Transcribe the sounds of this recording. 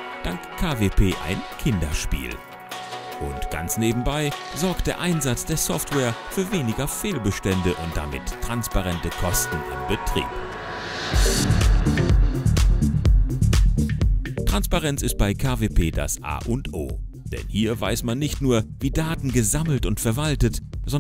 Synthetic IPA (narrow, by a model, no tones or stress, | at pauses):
d̥aŋkkʰːaːveːpʰeːʔa̰ɪnkʰɪndɐʃpḭːl | ʔʊntɡ̥a̰nt͡sneːbm̩baɪ | zɔɐk̚t̚d̥eːɐʔaɪnzat͡sd̥eːɐsɔftwɛːɐfyːɐveːnɪɡɐfeːlbəʃtɛndəʔʊnt̚d̥a̰mɪ̰tʰːʁ̥anspaʁɛntəkʰɔstn̩ɪ̰mbətʁ̥ḭːp | tʁ̥anspaʁɛnt͡sɪst̚b̥aɪkʰaːveːpʰeːda̰sʔa̰ːʔʊntʔo̰ːd̥ɛ̰nhiːɐva̰ɪsmanːɪçtnuːɐviːdaːtn̩ɡəzaml̩tʊntfɛɐvaltətz̥ɔ